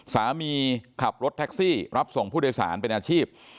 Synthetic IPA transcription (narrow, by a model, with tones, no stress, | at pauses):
saː˩˦miː˧kʰa˨˩p̚ɾo˦˥t̪ʰːɛ˦˥k̚siː˥˩ɾa˦˥p̚so˨˩ŋpʰu˥˩doː˧jsa̰ː˩˦npe˧nʔaː˧t͡ɕʰiː˥˩p̚